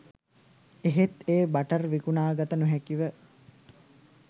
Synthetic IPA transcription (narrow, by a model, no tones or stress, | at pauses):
eɦet̪eːbaʈərʋikunaːɡat̪ənuɦækiʋə